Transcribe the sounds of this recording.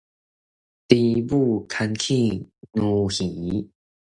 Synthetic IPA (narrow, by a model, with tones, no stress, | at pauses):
t̪i˧bu˥˩kʰa˧nkʰi˥˧nũ˧hi˨˦